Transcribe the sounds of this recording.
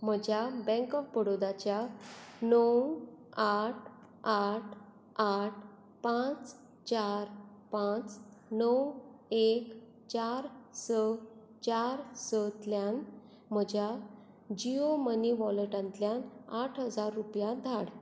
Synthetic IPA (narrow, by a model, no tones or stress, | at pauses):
m̤əd͡ʑʱjabɛ̃ŋkɔfbəɽod̪at͡ɕjanəwaʈʰ | aʈʰ | aʈʰ | pãt͡s | t͡ɕaɾpãt͡snəwek | t͡ɕaɾsə | t͡ɕaɾsət̪ljan | m̤əd͡ʑʱja | d͡ʑioməniʋɔləʈãnt̪ljanaʈʰɦəd͡zaɾːupjad̪ʱaɽ